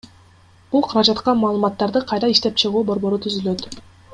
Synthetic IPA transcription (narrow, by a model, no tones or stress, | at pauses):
b̥ulˠqʰɑɾɑd͡ʒɑt̪qɑmɑːlˠɯmɑt̪ːɑɾd̪ɯqʰɑjɾɑiʃt̪e̞p̚t͡ʃʰɯʁuːbo̞ɾbo̞ɾut̪ʰyzylø̞t̪